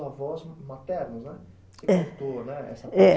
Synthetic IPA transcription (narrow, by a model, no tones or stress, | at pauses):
ɐvɔzmat̪ɛɾnɐznɛ | sekɛ̃t̪onɛɛ̰sɐɛ